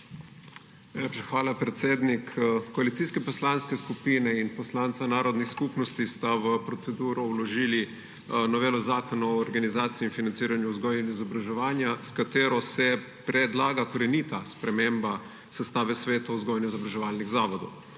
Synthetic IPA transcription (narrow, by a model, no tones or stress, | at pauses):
najlepʃaxʋaːlapɾɛt̪seːd̪nikkːɔalit̪siːskɛpɔslanskɛskupiːnɛinpɔslansanaːɾɔd̪nixskuːpnɔst̪ist̪aʋəpɾɔt̪sɛd̪uːɾɔwlɔʒiːli | nɔʋeːlɔzaːkɔnaɔːɾɡanizaːt̪siiːnfinant̪siːɾanjuzɡɔjɛnɛizɔbɾaʒɛʋaːnjaskat̪eːɾɔsɛ | pɾɛd̪laːɡakɔɾɛnit̪aspɾɛmeːmba | sɛst̪aːʋɛsʋeːt̪auzɡɔjɛnuizɔbɾaʒɛʋaːlniɣzaːʋɔd̪ɔ̰w